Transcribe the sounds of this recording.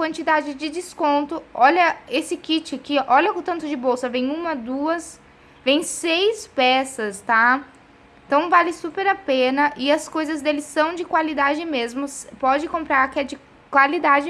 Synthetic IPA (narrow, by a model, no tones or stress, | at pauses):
kwɐ̃nt͡ʃid̪ad͡ʒɪd͡ʒɪd͡ʒɪskõnt̪ʊɔʎɐesɪkit͡ʃɪkɪʔɔʎɐʊt̪ɐ̃nt̪ʊd͡ʒɪbowsɐvẽj̃ũmɐd̪uɐs | vẽj̃sejspɛsɐst̪ã | t̪ɐ̃w̃valɪsupeɾapẽnɐʔɪɐskojzɐzd̪elɪsɐ̃w̃d͡ʒɪkwalid̪ad͡ʒɪmezmʊspɔd͡ʒɪkõmpɾaɾkɪɛd͡ʒɪ | kwalid̪ad͡ʒɪ